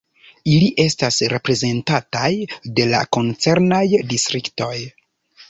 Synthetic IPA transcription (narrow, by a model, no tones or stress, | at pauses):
iliʔe̞stasɾe̞pɾe̞ze̞ntatajde̞la̰ko̞nt͡se̞ɾnajdistɾikto̞j